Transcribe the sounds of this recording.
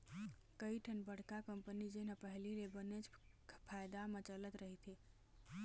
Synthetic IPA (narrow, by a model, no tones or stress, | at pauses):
kəiʈʰənbəɽ̤kakəmpənid͡ʒenapəɦlilebənet͡ʃ | pʰajd̪amet͡ʃələt̪ɾəɦit̪ʰi